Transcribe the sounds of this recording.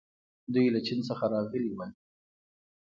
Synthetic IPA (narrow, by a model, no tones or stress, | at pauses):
d̪ujlat͡ʃinsəxaɾɑɣəliwal